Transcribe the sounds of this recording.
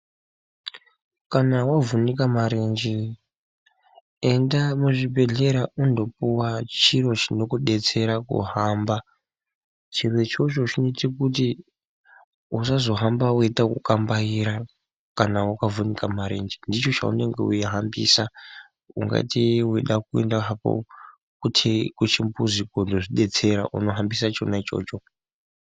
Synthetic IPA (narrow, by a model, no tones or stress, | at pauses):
kanawavunikamaɾend͡ʒi | e̞ndamuʐibe̞ɮe̞ɾaʔundo̞p̚uwat͡ʃiro̞t͡ʃino̞kuɗe̞t͡se̞ɾakṵɦamba | t͡ʃirwe̞t͡ʃot͡ʃot͡ʃinitikuti | usazo̞ɦambawitakukambaiɾa | kanawakavʱunikamaɾḛnd͡ʒendit͡ʃo̞t͡ʃa̰ṵne̞ŋɡeuiɦambḭːsa | uŋɡa̰tiwiɗak̚uḛndaɦapo̰ | kutʰkut͡ʃimbuzikondoʐiɗe̞t͡se̞ɾaʔṵno̞ɦambisat͡ʃo̰nat͡ʃo̞̰ːt͡ʃo̞